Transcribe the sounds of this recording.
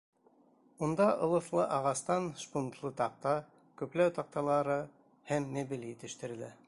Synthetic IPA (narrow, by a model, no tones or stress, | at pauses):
und̪ɑʔɤ̆lˠɤ̆θlˠɤʔɑʁɑst̪ɑnʃpunt̪ʰlˠɤt̪ɑq̚t̪ɑ | kʉplæwt̪ɑq̚t̪ɑlˠɑɾɤ | hæmːebilit̪ɘ̆ʃt̪ɘ̆ɾɘ̆læ